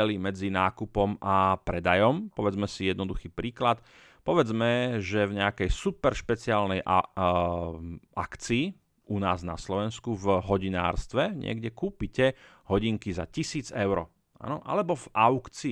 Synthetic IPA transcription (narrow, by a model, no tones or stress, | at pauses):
ɛlimɛd͡zinaːkupɔmapɾɛd̪ajɔmpɔʋɛd͡zmɛsijɛd̪nɔd̪uxiːpɾiːklat̪ | pɔʋɛd͡zmɛʒɛvɲɛakɛjsupɛɾʃpɛt͡siaːlnɛj | ʔakt͡siː | ʔunaːzna̰slɔʋɛnskuvɦɔɟina̰ːɾst̪ʋɛɲɪ̰ɛ̰ɡɟɛkuːpicɛ | ɦɔɟiŋkiza̰cisiːd͡zɛʊɾɔ | a̰nɔʔa̰lɛbɔv̥ʔaʊkt͡si